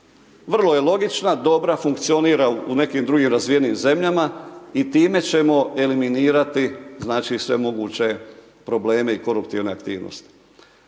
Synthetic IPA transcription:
ʋr̩lˠo̞je̞lo̞ɡit͡ʃnad̪o̞bɾafuŋk̚t̪sio̞niːɾaune̞kiːmd̪ɾuɡiːmɾazʋije̞niːmze̞mʎamait̪iːme̞t͡ɕe̞mo̞ʔe̞liminiːɾat̪iznaːt͡ʃisʋe̞̰mo̞ɡuːt͡ɕe̞ | pɾo̞ble̞ːme̞iko̞ɾupt̪iʋneakt̪ḭːʋno̰st̪i̥

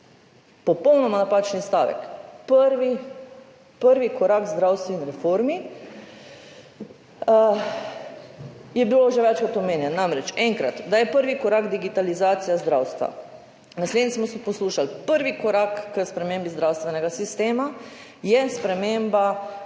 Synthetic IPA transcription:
pɔpɔwnɔmanapaːt͡ʃnist̪a̰ːʋɛ̰kpəɾʋi | pəɾʋikɔɾakzd̪ɾawst̪ʋuinɾɛfoɾmi | jɛbiloʒɛʋɛt͡ʃkɔt̪ɔmeːnjɛnːamɾɛt͡ʃɛŋkɾat̪d̪ajɛpəɾʋikɔɾaːɡd̪iɡit̪alizaːt̪sijazd̪ɾaːwst̪ʋa̰ | nasled̪nismɔsipɔsluːʃalpəɾʋikɔɾaːkːəspɾɛmeːmbizd̪ɾawst̪ʋɛnɛɡasist̪eːma | jɛspɾɛmeːmba

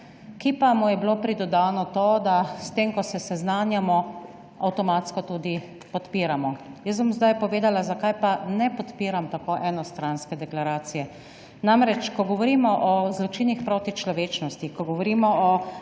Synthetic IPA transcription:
kiːpamujɛblopɾid̪ɔd̪aːnɔt̪oːd̪ast̪emkɔsɛsɛznaːnjamɔ | awt̪ɔmaːt̪skɔt̪uːd̪i | pɔt̪piːɾamɔjəsbɔmzd̪ajpɔʋeːd̪alazakajpanɛpɔt̪piːɾamt̪akoːʔɛnɔst̪ɾanskɛd̪ɛklaɾaːt̪sijɛ | namɾɛt͡ʃkɔɡɔʋɔɾimɔʔɔzlɔt͡ʃiːnixpɾoːt̪it͡ʃlɔʋeːt͡ʃnɔst̪ikɔɡɔʋɔɾiːmɔʔɔ

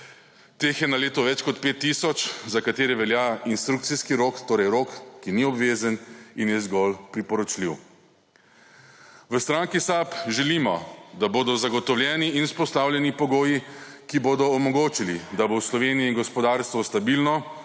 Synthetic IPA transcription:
t̪eːxjɛnaleːt̪ɔʋɛt͡ʃkɔt̪peːt̪ːisɔt͡ʃzakat̪eːɾɛʋɛljainst̪ɾuk̚t̪siskiɾokt̪oːɾɛjɾoːkːiniɔbʋeːzəninjɛzɡɔlpɾipɔɾɔt͡ʃliw | ʋəst̪ɾaːŋkisapʒɛlimɔd̪aboːd̪ɔzaɡɔt̪ɔwljɛːniinuspɔst̪awlʲjɛnipɔɡoːjikiboːd̪ɔːmɔɡoːt͡ʃilid̪aboslɔʋeːnijɛiŋɡɔspɔd̪aɾst̪ʋɔst̪abilnɔ

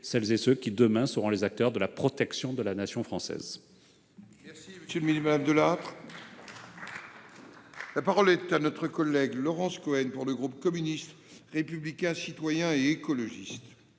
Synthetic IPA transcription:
sɛlzesøkʲid̪əmɛ̃səʁɔ̃lezak̚t̪œʁd̪əlapχɔt̪ɛksjɔ̃d̪əlanasjɔ̃fχɑ̃sɛ̰z | mɛʁsiməsjølminmad̪amd̪əlat̪χ | lapaʁɔlɛt̪anɔt̪χəkɔlːɛɡlɔʁɑ̃skɔɛnpuʁləɡʁup̚kɔmynist̪ | ʁepyblikʲɛ̃sit̪wajɛ̃eekɔlɔʒist̪

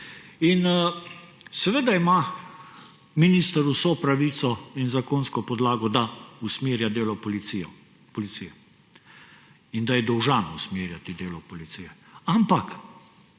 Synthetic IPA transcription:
in | sɛʋeːd̪aima | minist̪əɾusopɾaʋiːt̪sɔinzakoːnskɔpɔd̪laːɡɔd̪ausmeːɾjad̪eːlɔɔliijɔ | pɔlit̪sijɛ | ind̪ajɛd̪ɔwʒanusmiːɾjat̪id̪eːlɔpɔlit̪siːjɛampak

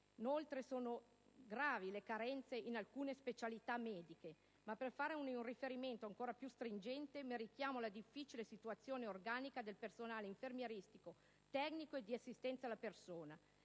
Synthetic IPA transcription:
inolt̪ɾesoːno | ɡɾaːvilekaɾɛnt̪seʔinalkuːnespet͡ʃalit̪amɛːd̪ike | mapːerfaːɾeununrifeɾiment̪oaŋkoːɾapjust̪ɾind͡ʒɛnt̪emeɾikjaːmolad̪ifːit͡ʃilesit̪uat̪sːjoːneorɡaːnikad̪elpersonaːleiɱfermjeɾist̪iko | t̪ɛknikoed̪ːiasːist̪ɛnt̪salːapersoːna

